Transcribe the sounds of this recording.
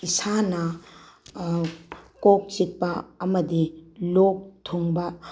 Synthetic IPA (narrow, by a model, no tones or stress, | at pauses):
isanɐ | kok̚t͡ʃit̚pɐɐmɐdilok̚tʰoŋbɐ